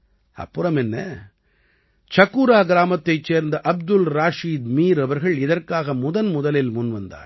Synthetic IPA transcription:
ɐ̰pːɯɾɐmɛnːɐ̰ | t͡ʃɐkːuɾaːɡɪɾaːmɐt̪ːɐɪt͡ʃːeːɾnd̪ɐʔɐb̚d̪ʊlɾaːʂiːd̪miːɾɐʋɐɾɣɐɭɪðɐrkaːɣɐmʊðɐnmʊðɐlɪlmʊnʋɐnd̪a̰ːɾ

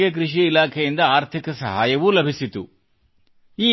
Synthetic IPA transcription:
ɡek̬ɾiʂiːlaːkʰɐjind̪ɐaːɾt̪ʰikɐsɐ̰ɦaːjɐʋulɐbʱisit̪u | iː

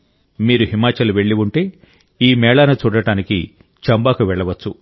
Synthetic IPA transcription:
miːɾuɦimaːt͡ʃɐluʋe̞ɭːiʋuɳʈe̞ː | iːmɛːɭaːnɐt͡ʃuːɽɐɽaːniki | t͡ʃɐmbaːkuʋɛɭːɐʋɐt͡ʃːu

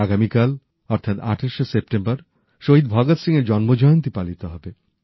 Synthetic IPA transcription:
aɡamikal | ɔɾt̪ʰat̪a̰ʈʰeʃesep̚ʈembaɾ | ʃoɦid̪̚bʱɔɡat̪siŋeɾd͡ʑɔnmod͡ʑɔjont̪̬ipalit̪eɦɔbe

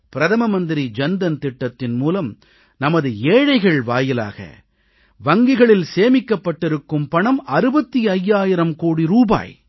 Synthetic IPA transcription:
pɪɾɐðɐmɐmɐnd̪ɪɾid͡ʒɛnd̪ɐnt̪ɪʈːɐt̪ːɪnmuːlɐm | nɐmɐðɯeːɻɐɪɣɐɭʋaːjɪla̰ːɣɐ̰ | ʋɐŋɡɪɣɐɭɪlseːmɪkːɐpːɐʈːɪɾɯkːɯmpɐɳɐmɐɾɯbɐt̪ːiɐjːaːjɪɾɐmkoːɽiɾuːba̰ːj

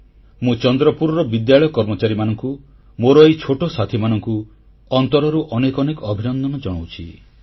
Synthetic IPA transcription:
mũt͡ʃɔnd̪ɾɔpuɾɔɾɔbid̪jaɭɔjɔkɔɾmɔt͡ʃaɾimanɔŋku | moɾɔejt͡ʃʰoʈosat̪ʰimanɔŋku | ɔnt̪ɔɾɔɾuʔɔnekɔnekɔɔbʱinɔnd̪ɔnɔd͡ʒɔɽ̃owt͡ʃʰḭ

